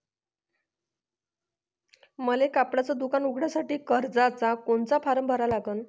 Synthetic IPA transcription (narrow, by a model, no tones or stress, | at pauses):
məlekapɽat͡sad̪ukanukʰɽjasaʈiːkəɾd͡zat͡sakoɳt͡sapʰaɾəmbʱəɾalaɡəːn